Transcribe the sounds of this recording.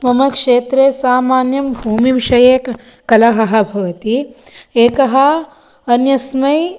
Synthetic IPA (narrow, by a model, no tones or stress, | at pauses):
mɐmɐkʂeːt̪ɾeːsaːmaːnjɐmbʱuːmimʂɐjeːkː | ɐlɐɦɐɦɐ̆bʱɐʋɐt̪ieːkɐɦɐ̆ | ɐnjɐsmɐj